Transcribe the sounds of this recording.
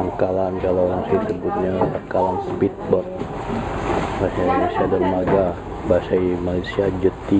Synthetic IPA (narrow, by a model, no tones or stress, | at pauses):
aŋkalankalooɾaŋsisəbut̪̚ɲasakalanspit̪̚bɔrt̪̚ | basaidolesiadanmaɡa | basaimalasiad͡ʒət̪i